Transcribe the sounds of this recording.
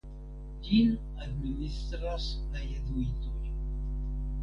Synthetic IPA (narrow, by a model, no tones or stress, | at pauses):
d͡ʒin | ad̪minist̪ɾasajad̪uit̪oj